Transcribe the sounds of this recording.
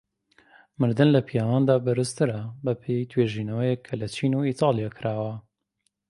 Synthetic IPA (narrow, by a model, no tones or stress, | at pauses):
mɨɾd̪ɨnlɐpʰijaːwaːnd̪aːbɨɾɨst̪ʰɨɾɐbɐpʰejt̪ʰweːʒiːnɐwɐjɛkʰːɐlɐt͡ʃʰiːnuit̪ʰɑːlˠijakʰɨɾʔaːwɐ